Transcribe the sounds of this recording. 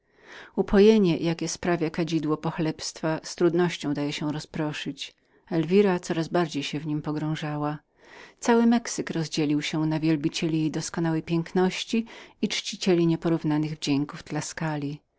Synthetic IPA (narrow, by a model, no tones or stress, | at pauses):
upʰɔjɛɲɛjʔakʲɛspɾavʲjakad͡ʑid̪wɔpɔxlɛpst̪fast̪ɾud̪nɔɕt͡ɕɔ̃w̃d̪ajɛɕɛ̃ɾɔspɾɔʂɘt͡ɕ | ɛlvʲiɾat̪sɔɾazbaɾd͡ʑejɕɛvɲimpɔɡɾɔ̃w̃ʐawa | t̪sawɘmɛksɘkɾɔzd͡ʑɛlʲiwɕɛnavʲjɛlbʲit͡ɕɛlʲijejd̪ɔskɔn̪awɛjpʲjɛŋknɔɕt͡ɕiit͡ʂt͡ɕit͡ɕɛlʲiɲɛpɔɾuvnanɘɣvd͡ʑɛŋkuvd̪laskalʲi